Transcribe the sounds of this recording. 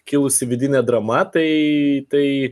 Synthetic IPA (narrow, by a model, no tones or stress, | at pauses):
kʲɪlˠʊsʲɪʋʲɪd̪ʲɪnʲɛd̪ɾɐmɐt̪ɐɪt̪ɐɪ